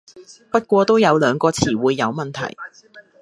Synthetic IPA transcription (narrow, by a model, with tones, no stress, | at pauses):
pɐ˥t̚kʷɔː˧t̪o˥wjɐ˨˧wlœː˨˧ŋkɔː˧t͡sʰiː˨˩wuː˨˧jːɐ˨˧wmɐ˨nt̪ʰɐ̰˨˩j